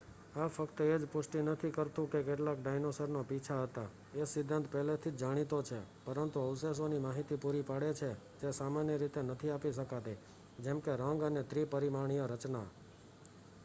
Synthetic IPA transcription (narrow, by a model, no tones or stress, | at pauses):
afəkt̪əed͡ʒpʊʃʈinət̪ʰikəɾt̪ũkekeʈlakɖajnosəɾnopit͡ʃʰaɦət̪a | esɪd̪ʱːə̃nt̪pɛɦlet̪ʰid͡ʒd͡ʒaɽ̃it̪ot͡ʃʰepəɾənt̪uəʋses̬onimaɦit̪ipuɾipaɽet͡ʃʰe | t̪esamanjəɾit̪enət̪ʰiapiʃəkat̪e | d͡ʒɛmkeɾə̃ŋɡənet̪ʰɾipəɾimaɳ̃ijəɾət͡ʃna̰